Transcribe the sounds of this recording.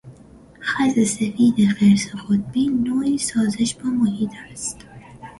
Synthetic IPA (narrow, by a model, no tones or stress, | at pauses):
xæzesefiːd̪exeɾsexot̪̚biːnoːisɒːzeʃbɔmohiːt̪ʰæst̪